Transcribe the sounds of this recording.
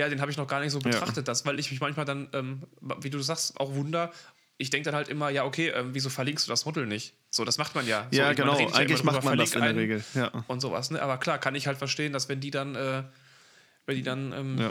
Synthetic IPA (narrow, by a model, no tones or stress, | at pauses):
jaːdeːnɦaːbɪçnɔχɡ̥aːɐnɪçtz̥oːbətʁ̥aχtət̚d̥asv̥aɪlɪçmɪçmançmaːldanʔɛːmviːduːs̬zaːkstʔa̰ʊxvʊndɐ | ʔɪçd̥ɛŋkəd̥anhaltʔɪmɐjaːʔokʰeːʔɛːmviːzoːfɛɐlɪŋkstd̥uːdasmɔtl̩nɪçt | z̥oːdasmaχtmanjaːzjoaːɡəmnaeːəta̰jaŋ̩mdʁmyːbɐfaɛɐlɪŋsktʔɪaɛɐʁeːɡl̩jaːʔʊntz̥o̰ːva̰snəʔaːbɐkʰl̥aːkʰanɪçhaltfɛɐʃteːəndasv̥ɛndiːdanʔɛː | vɛndiːdanʔɛ̰ːm